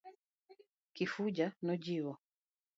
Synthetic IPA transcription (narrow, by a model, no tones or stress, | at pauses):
kifud͡ʒanɔd͡ʒiwɔ